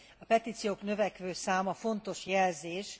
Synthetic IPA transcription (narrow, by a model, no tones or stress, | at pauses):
ɒpɛt̪iːt̪sijoːknøvɛkʋøːsaːmɒfo̞n̪t̪o̞ʃjɛlzeːʃ